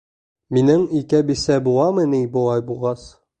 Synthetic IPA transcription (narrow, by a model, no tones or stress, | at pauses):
minɘŋikæbisæbulˠɑmɘ̆nibulˠɑjbulˠʁɑs